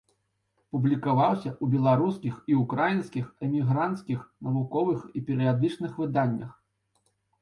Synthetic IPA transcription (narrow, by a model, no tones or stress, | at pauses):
publʲikavawsʲɐʔubʲɛlˠaɾuskʲixiukɾajinskʲixɛmʲiɣɾant̪skʲixnɐvukɔvɨxipʲɛɾɨjad̪ɨt͡ʂnɨxvɨd̪anʲːɐ̰x